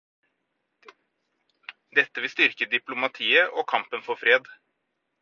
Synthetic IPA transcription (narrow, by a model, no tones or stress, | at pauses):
d̪ɛt̪ːəʋɪlst̪ʏɾkəd̪ɪplʊmɑt̪ʰiːəʔɔːkʰɑmpənfɔɾfɾeːd̪